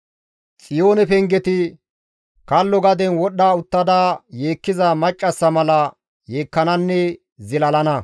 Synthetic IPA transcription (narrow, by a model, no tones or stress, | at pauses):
t͡sʼɪjo̞ːnɛpɛŋɡɛt̪ɪ | kɐlːɔɡɐd̪ɛnwɔɗːaːʊt̪ːɐd̪aːje̞ːkːɪzɐmɐt͡ʃʼːɐsːɐmɐlɐ | jeːkːɐnɐnːɛ | zɪlɐlɐnɐ